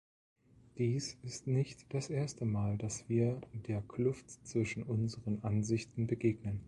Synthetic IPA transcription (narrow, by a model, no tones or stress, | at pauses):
d̥iːsɪstnɪçtd̥asʔeːɐstəmaːldasv̥iːɐdeːɐkʰlʊftt͡sv̥ɪʃn̩ʔʊnzəʁənʔanzɪçtn̩bəɡeːɡnən